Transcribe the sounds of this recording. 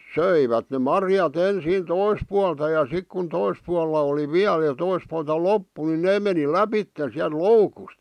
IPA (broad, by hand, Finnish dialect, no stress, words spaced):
søiʋæt ne mɑrjɑt ensiːn tois puɑltɑ jɑ sik kun tois puɑlːɑ oli ʋiæl jɑ tois puɑltɑ lopːu ni neː meni læpitːen̞ siælt̆ loukust